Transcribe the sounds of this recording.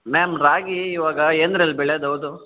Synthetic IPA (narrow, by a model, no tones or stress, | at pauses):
mɛːmɾaːɡiːʋaːɡɐeːnd̪ɾɐlːbɛɭed̪ɐwd̪u